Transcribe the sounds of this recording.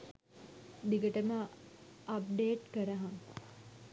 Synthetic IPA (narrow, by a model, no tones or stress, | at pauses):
d̪iɡəʈəmə | ɐp̚ɖeːʈkəɾəɦaŋ